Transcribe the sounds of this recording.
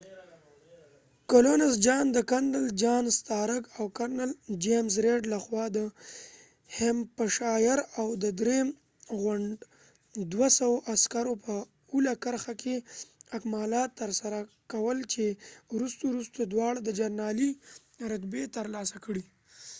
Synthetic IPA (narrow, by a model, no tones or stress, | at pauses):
kalonasd͡ʒɑnd̪əkaɳɖəld͡ʒɑnst̪ɑɾəɡawkaɾnald͡ʒemzɾeɖlaxwɑd̪ə | hempəʃɑjɪɾawd̪əd̪ɾe | ɣʊɳɖ | d̪wasawoʔaskaɾopʰə | ulakaɾxakʰeakmɑlɑt̪ːəɾsaɾa | kawəlt͡ʃewɾust̪oɾust̪od̪wɑɽad̪əd͡ʒaɾnɑli | ɾat̪bet̪əɾlɑsakɽi